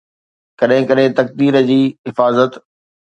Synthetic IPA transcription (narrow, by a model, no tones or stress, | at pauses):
kɐɗɦɪ̃kɐɗɦɪ̃t̪ɐk̚d̪iːɾəd͡ʑiːɦɪfaːzət̪